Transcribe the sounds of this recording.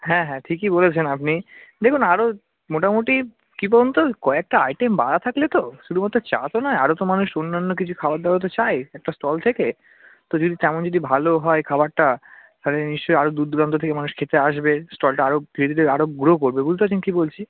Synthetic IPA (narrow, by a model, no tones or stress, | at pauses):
ɦɛ̃ɦɛ̃ʈʰikibolet͡ɕʰenapnid̪ekʰunaɾo | moʈamoʈi | kip̬ɔɾont̪okoɛk̚ʈaajʈemba̰ɾat̪ʰaklet̪oʃud̪umat̪ːɾot͡ɕa̰t̪onaeaɾot̪omanuʃonːanːok̬it͡ɕʰukʰabaɾd̪aaot̪̬et͡ɕajɛk̚ʈasʈɔlt̪ʰeke | t̪od͡ʑod̪it̪ɛmond͡ʑod̪ibʱaloɦɔekʰabaɾʈat̪ʰaleniʃt͡ɕojaɾod̪uɾd̪uɾant̪ot̪ʰekemanuʃkʰet̪eaʃbesʈɔlʈaaɾofʰiɾed̪ʱileaɾoɡɾokoɾbebolt̪eat͡ɕʰenkibolt͡ɕʰi